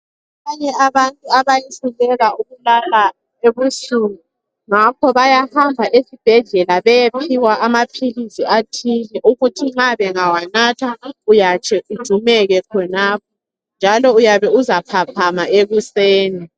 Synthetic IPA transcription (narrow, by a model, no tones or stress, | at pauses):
aβaɲɛaβantʼuaβajisulɛɣauɣulala | eβusuŋu | ŋakʰɔβajahambʱaʔesib̥ʱɛɮɛlaβɛjepʰiwaʔamapʰilisiatʰilɛʔuɣutʰiŋ͡ǁaβɛŋawanatʰaujat͡ʃʰʼɛud̥ʒ̥ʱumɛɣɛkʰɔnaːp̚ʰɔ | nd͡ʒʱalɔujaβɛuzapʰapʰamaeɣuseːni